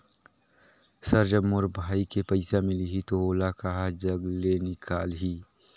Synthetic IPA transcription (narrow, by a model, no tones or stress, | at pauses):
sɐɾd͡ʒəbmʊɾbʱaːikepɐɪsamɪliɦit̪ooːlakaɦad͡ʒɐɡlenɪkʰaːlɦiː